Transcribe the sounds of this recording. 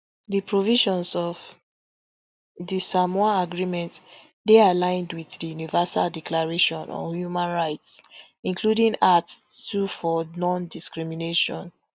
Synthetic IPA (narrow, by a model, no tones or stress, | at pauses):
dipɹoviʃɔ̃nsɔv | disamɔaaɡɹimɛ̃nt | dealãɪ̃ndwiðdijunivasa̰ldiklaɹeʃɔ̃nɔ̰̃hjumãnɹaɪts | ĩnkʰludĩŋatstufɔnɔ̃ndiskɹimineʃɔ̰̃n